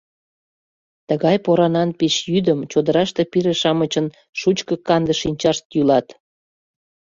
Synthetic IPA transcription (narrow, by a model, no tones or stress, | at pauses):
t̪əɣɑjpoɾɑnɑnpiʃjyd̪əmt͡ɕod̪əɾɑʃt̪epiɾeʃɑmət͡ɕən | ʃut͡ɕkəkɑnd̪əʃinʲt͡ɕɑʃt̪jylɑt̪